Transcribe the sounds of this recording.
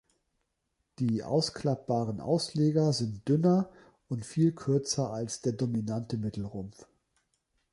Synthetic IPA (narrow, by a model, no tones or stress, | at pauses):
d̥iːʔa̰ʊskl̥ap̚b̥aːʁənʔa̰ʊsleːɡɐzɪnt̚d̥ʏnɐ | ʔʊntfiːlkʰʏɐt͡sɐalsd̥eːɐdominantəmɪtl̩ʁʊmf